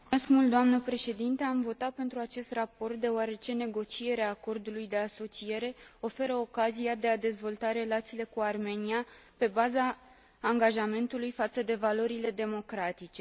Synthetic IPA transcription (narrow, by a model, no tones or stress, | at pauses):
eskmult̪d̪oamnəpɾe̞ʃe̞d̪int̪eamvo̞t̪at̪̚pe̞nt̪ɾuat͡ʃe̞st̪rapo̞rt̪̚d̪e̞oaɾe̞t͡ʃe̞ne̞ɡo̞t͡ʃie̞ɾeaːko̞rd̪ulujd̪e̞aso̞t͡ʃije̞ɾe̞o̞fe̞ɾəo̞kaziad̪e̞ad̪e̞zvo̞lt̪aɾe̞lat̪siːle̞kuarme̞niape̞bazaː | ŋɡaʒame̞nt̪ulujfat̪səd̪e̞valo̞ɾile̞d̪e̞mo̞kɾat̪it͡ʃe̞